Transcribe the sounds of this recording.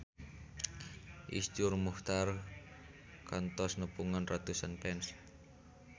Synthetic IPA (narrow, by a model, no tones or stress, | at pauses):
ʔisd͡ʒʊrmuht̪ar | kant̪ɔsnəpuŋanrat̪usanpɛns